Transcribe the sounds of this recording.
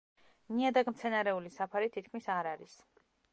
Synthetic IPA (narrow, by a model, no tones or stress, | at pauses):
niad̪aɡmt̪sʰɛnaɾɛulisapʰaɾit̪ʰit̪̚kʰmisaɾaɾis